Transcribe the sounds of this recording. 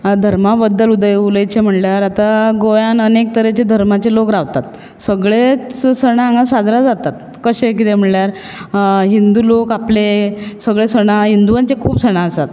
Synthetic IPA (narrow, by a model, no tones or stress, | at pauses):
d̪ʱəɾmabəd̪ːəlud̪əjuləjt͡ɕem̤əɳljaɾat̪aɡojanənek̚t̪əɾet͡ɕed̪ʱəɾmat͡ɕelokɾaʋt̪at̪̚ | səɡɭet͡ssəɽ̃aːŋɡasad͡zɾad͡zat̪at̪̚ | kəɕekit̪em̤əɳljaɾ | ɦind̪uːlokaplesəɡɭesəɽ̃aɦind̪uʋaɲt͡ɕekʰuːpsəɽ̃aəsat̪